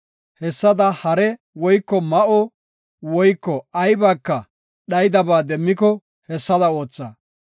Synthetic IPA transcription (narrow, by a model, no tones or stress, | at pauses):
hɛsːɐd̪ɐhɐɾɛ | wɔjkːɔmɐʔɔ | wɔjkːɔɐjbaːkːɐ | ɗɐjd̪ɐbaːd̪ɛmːɪkɔ | hɛsːɐd̪ɐo̞ːt͡sːɐ